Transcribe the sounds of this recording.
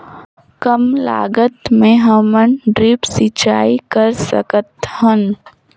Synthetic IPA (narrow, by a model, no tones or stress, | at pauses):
kəmla̰ːɡət̪mẽɦəmənɖɾiːpsɪt͡ʃaːikəɾsə̰kət̪hən